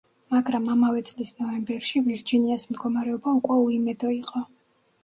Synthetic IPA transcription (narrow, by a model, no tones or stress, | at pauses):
maɡɾamamavɛt̪sʼlisnɔvɛmbɛɾʃiviɾd͡ʒiniasmd̪ɡɔmaɾɛɔbaukʼwɛuimɛd̪ɔiqʼɔ